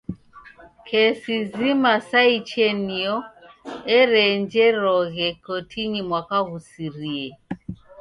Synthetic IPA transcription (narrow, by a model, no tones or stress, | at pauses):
kʰɛsizimasait͡ʃɛniɔɛɾɛɲd͡ʒɛɾɔɣɛkɔtʰiɲimwakaɣusiɾiɛ